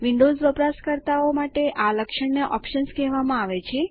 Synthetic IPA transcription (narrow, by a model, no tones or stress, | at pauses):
ʋiɳɖozʋəpɾaskəɾt̪aomaʈeʔaləkʃəɳneʔɔpʃənskɛɦʋamãaʋet͡ʃʰe